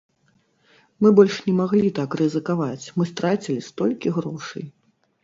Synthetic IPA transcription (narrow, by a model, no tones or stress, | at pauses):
mɨbɔlʲʂnʲɛmaɣlʲit̪akrɨzɨkavat͡sʲmɨst̪ɾat͡sʲilʲist̪ɔlʲkʲiɣɾɔʂɐ̰j